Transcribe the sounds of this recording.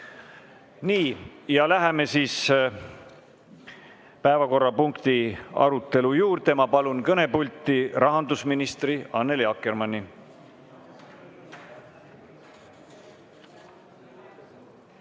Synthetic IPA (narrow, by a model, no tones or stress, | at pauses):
niːjɑlæɦeme̞siːs | pæe̞vɑko̞rːɑpuŋkt̪iɑ̰ɾut̪ːˑe̞lujuːɾt̪e̞mɑpɑlunkɤne̞pulʲt̪ːiɾɑɦɑnd̪usminist̪riɑnːe̞ljɑkːˑermɑnʲːi